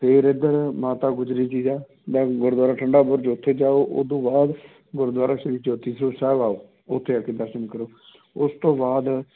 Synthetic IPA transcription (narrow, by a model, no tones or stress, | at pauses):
pʰɪːɾɪd̪əɾmaːt̪aːɡʊd͡ʒɾiːt͡ʃiːzaː | d̪ɛ̃ːɡʊɾd̪waːɾaːʈʰəɳɖaːbʊɾt͡ʃʊt̪ʰːeːd͡ʒaːoːʔo̰ːd̪õːbaːd̪ | ɡʊɾd̪waːɾaːʃəɾiːt͡ʃːʊt̪iːsəɾoːsɛːʋaːoː | ʊt̪ʰːeːakeːd̪əɾʃənkəɾoː | ʊst̪õːbaːd̪